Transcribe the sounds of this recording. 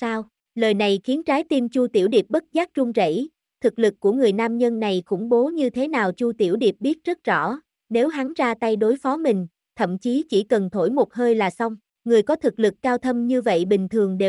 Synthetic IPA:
saː˧w | ləː˨˩jna˨˩jxi˨˦ənt͡ɕaː˨˦jt̪i˧mt͡ɕu˧t̪ḭ˧˩əwɗi˨˩ə˩p̚ɓə˦˥t̚zaː˦˥k̚zʊ˧ŋ͡mzə̰˧˥˩j | t̪ʰɨ˨˩k̚lɨ˨˩kːu˧˩əŋɨ˨˩əjnaː˧mɲə˧nːa˨˩jxʊ̰˧˩ŋ͡mɓo˨˦ɲɨ˧t̪ʰe˨˦naː˨˩wt͡ɕu˧t̪i˧˩əwɗi˨˩əp̚ɓi˦˥ət̚zə˦˥t̚zɔ̰˧˩ | ne˨˦wɦa˨˦ŋzaː˧t̪a˧jɗo˨˦jfɔ˨˦mï˨˩ŋ̟ | t̪ʰə̰˧˨mt͡ɕi˨˦t͡ɕi˧˩kə˨˩nt̪ʰo˧˩jmo˨˩t̚həː˧jlaː˨˩sa˧wŋ͡m | ŋɨ˨˩əjkɔ˨˦t̪ʰɨ˨˩k̚lɨ˨˩kːaː˧wt̪ʰə˧mɲɨ˧və̰˧˨jɓï˨˩ŋ̟t̪ʰɨ˨˩əŋɗe˨˩

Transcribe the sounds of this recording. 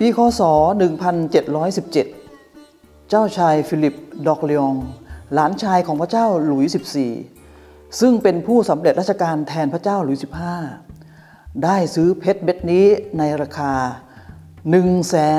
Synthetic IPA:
piː˧kʰɔː˧sɔː˩˦nɯ˨˩ŋpʰa˧nt͡ɕe˨˩t̪̚ɾɔː˦˥jsi˨˩p̚t͡ɕe˨˩t̪̚ | t͡ɕaː˥˩wt͡ɕʰaː˧jfiː˧li˨˩p̚dɔː˨˩k̚le˧ɔ˧ŋlaː˩˦nt͡ɕʰaː˧jkʰɔː˩˦ŋpʰɾa˥˩t͡ɕaː˥˩wlu˨˩˦jsi˨˩p̚sḭː˨˩ | sɯ˥˩ŋpe˧npʰuː˥˩sa˩˦mɾe˨˩t̪̚ɾa˥˩t͡ɕʰa˧kaː˧nt̪ʰɛː˧npʰa˥t͡ɕaː˥˩wlu˨˩˦jsi˨˩p̚haː˥˩ | daː˥˩jsɯː˦˥pʰe˦˥t̪̚be˦˥t̪̚niː˦˥na˧jɾaː˧kʰaː˧ | nɯ˨˩ŋsɛː˩˦

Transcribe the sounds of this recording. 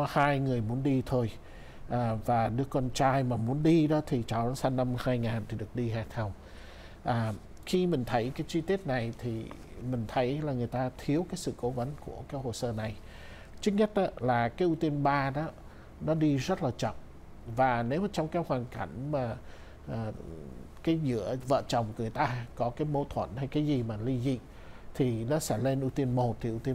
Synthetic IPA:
haː˧jŋɨ˨˩əjmu˨˦ənɗi˧t̪ʰo˧j | ʔaː˨˩vaː˨˩ɗɨ˦˥əkɔ˧nt͡ɕaː˧jmaː˨˩mu˨˦ənɗi˧ɗɔ˨˦t̪ʰi˨˩t͡ɕɔ˨˩nɔ˨˦sa˧nːa˧mhaː˧jŋaː˨˩nt̪ʰi˨˩ɗɨ˨˩ək̚ɗi˧ɦaː˧˩t̪ʰa˧w | ʔaː˨˩ | xi˧mï˨˩ŋ̟t̪ʰə˨˦jkaː˨˦jt͡ɕi˧t̪i˦˥ət̚na˨˩jt̪ʰi˨˩mï˨˩ŋ̟t̪ʰə˨˦jlaː˨˩ŋɨ˨˩əjt̪aː˧t̪ʰi˨˦əwkaː˨˦jsɨ̰˧˨ko˨˦və˨˦nku˧˩əkaː˨˦jho˨˩səː˧na˨˩j | t͡ɕɨ˦˥k̚ɲə˦˥t̚ʔa˨˦laː˨˩kaː˨˦jʔu˧t̪i˧ənɓaː˧ɗɔ˨˦ | nɔ˨˦ɗi˧zə˦˥t̚laː˨˩t͡ɕɔ̰˧˨ŋ͡m | vaː˨˩ne˨˦wmaː˨˩t͡ɕɔ˧wŋ͡mkaː˨˦jhwaː˨˩nka˧˩jŋ̟maː˨˩ | ʔəː˨˩kaː˨˦jzɨ̰˧˥əvə̰ː˧˨t͡ɕɔ˨˩wŋ͡mkŋɨ˨˩əjt̪aː˧kɔ˨˦kaː˨˦jmo˨˦t̪ʰwə̰˧˩˨nha˧jkaː˨˦jzi˨˩maː˨˩li˧zḭ˧˨ | t̪ʰi˨˩nɔ˨˦sɛ̰˧˥le˧nʔu˧t̪i˧ənmo˨˩t̚t̪ʰi˨˩ʔu˧t̪i˧

